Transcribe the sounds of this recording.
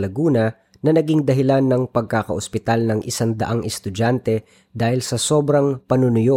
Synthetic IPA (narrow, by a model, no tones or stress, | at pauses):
lɐɡuːnɐ | nɐnɐɡɪŋd̪ɐɦɪlanːɐŋpɐɡ̚kakɐʔospɪt̪alnɐŋʔɪsaŋd̪ɐ̰ʔaŋɛst̪ʊd͡ʒant̪ɛ | d̪aːhɪlsɐso̞ːbɾɐŋpɐnʊnʊjo̞